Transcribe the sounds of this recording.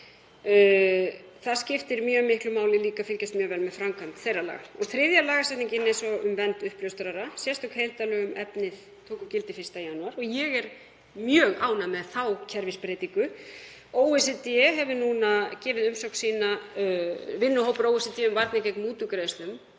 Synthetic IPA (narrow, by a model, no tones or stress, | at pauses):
θaðscɪft̪ɪɾmjœːmɪhklʏmaːwlɪliːkafɪlcast̪mjœːɣvɛlmɛðfɾamkʰvant̪θejrːala̰ːɣa̰ɔθɾɪðjalaːɣasɛt̪niŋcɪnɛsɔʏmvɛnt̪ʏhplœwst̪ɾaɾasjɛst̪ɔkhejlt̪alœːɣʏmɛpnɪð | t̪ʰowkʏcɪlt̪ɪfɪ̥st̪ajanːaɾɔɣjɛɣɛɾ | mjœːɣaːwnamɛðθawcʰɛɾvɪspɾeːjt̪iŋkʏ | oːwɛsɛt̪iɛɦɛvʏnuːnacɛːvɪðʏmsowksiːna | vɪnːʏhowpʏɾoːwɛsɛt̪iɛʏmvaɾt̪nacɛjknmuːt̪ʏkɾeðɪst̪lʏm